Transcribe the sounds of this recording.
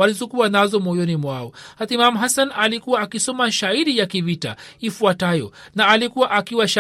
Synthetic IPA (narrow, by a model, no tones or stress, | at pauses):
alizɔkuanazɔmɔjɔnimwaɔhat̪imamɦasanalikuwaːkisɔmaʃaiɗijakivita̰ifuatajɔ̰naːlikuwaʔakiwaʃa